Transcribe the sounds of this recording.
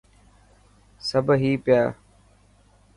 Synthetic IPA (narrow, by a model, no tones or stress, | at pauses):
səbʱɦiːpɪjaː